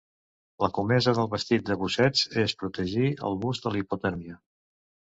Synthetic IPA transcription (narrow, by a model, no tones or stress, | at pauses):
ləkumɛzəðəlˠβəst̪it̪̚d̪əβusɛd͡zespɾut̪əʒiə̰lˠβuzd̪əliput̪ɛɾmiə